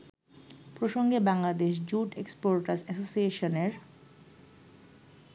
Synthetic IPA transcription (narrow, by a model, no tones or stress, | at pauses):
pɾoʃoŋɡebaŋlad̪eʃ̬d͡ʑuʈekspoɾʈaɾsɛsosieʃoneɾ